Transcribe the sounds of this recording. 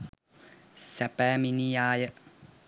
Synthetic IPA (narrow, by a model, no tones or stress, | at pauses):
sapɛminijaːjə